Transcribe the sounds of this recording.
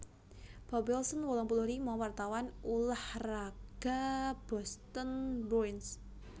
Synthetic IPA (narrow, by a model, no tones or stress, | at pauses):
b̥ɔbɛlsənwɔlɔŋpuluɾimawart̪awanulahraɡ̥ab̥ɔst̪ənruins